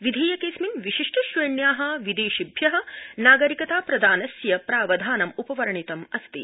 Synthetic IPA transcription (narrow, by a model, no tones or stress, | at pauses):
ʋid̪ʱiːjɐkeːsminʋiʃiʂʈɐʃʋɐjɐɳjaːɦɐ̆ʋid̪eːʃibʱjɐɦɐ̆naːɡɐɾikɐt̪aːpɾɐd̪ʱaːnɐsjɐpɾaːʋɐd̪ʱaːnɐmupɐʋɐɾɐɳit̪ɐmɐst̪ḭ